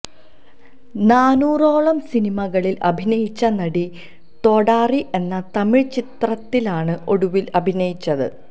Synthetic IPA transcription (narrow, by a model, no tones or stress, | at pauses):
naːnuːro̞ːɭɐmsinimɐɣɐɭilʔɐ̰bʱinɐjit͡ɕːɐnɐɽi | t̪o̞ːɽaːriʔe̞nːɐt̪ɐmiɻt͡ɕit̪rɐt̪ːilaːɳɨʔo̞ɽuʋilɐbʱinɐjit͡ɕːɐðɨ̰